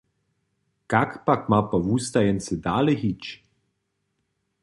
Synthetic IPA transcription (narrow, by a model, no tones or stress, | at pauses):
kakpakmapawust̪ajɛnsɪd̪aːlixit͡ʃ